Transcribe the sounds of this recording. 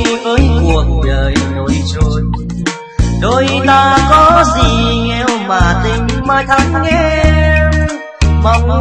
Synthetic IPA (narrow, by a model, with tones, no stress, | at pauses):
vəː˨˦jku˨˩ək̚ɗəː˨˩jno˧˨jt͡ɕo˧˦t̚ | ɗo˧˦jt̪aː˧kɔ˨˦zi˨˩ŋɛ˧wmaː˨˩t̪ï˧ŋ̟maː˧˩jt̪ʰa˨˦ŋːɛ˧˦ | ma˨˧˦wŋ͡m